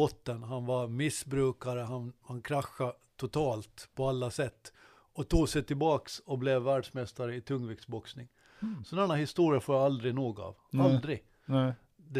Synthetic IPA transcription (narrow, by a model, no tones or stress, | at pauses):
ɔt̪ːənɦanvamɪsbɾʉ̟ːkaɾəɦanhankʰɾaxːa | t̪ʰʊt̪ʰɑːlt̪pʰɔalːasɛt̪ː | ɔt̪ʰuːɡsɛt̪ʰɪlbɑːksɔblɛvːæːɖʂmɛst̪aɾəɪt̪ʰɵŋːvɪksbɔksnɪŋ | sɔnɛnːahɪst̪uːɾɪafoːjaald̪ɾɪnoːɡa̰vald̪ɾɪ | d̪ɛ